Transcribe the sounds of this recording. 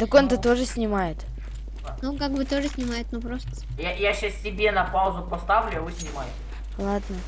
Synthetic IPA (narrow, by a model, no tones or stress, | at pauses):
t̪əko̞nt̪ət̪o̞ʐɨsʲnʲɪmajɪt̪ | nukaɡ̚bɨt̪o̞ʐɨsʲnʲɪmajɪt̪nupɾost̪ə̥ | jajaɕːassʲɪbʲenɐpaʊzʊpɐst̪avlʲʊɐvɨsʲnʲɪmajɪtʲɪ | lˠad̪nə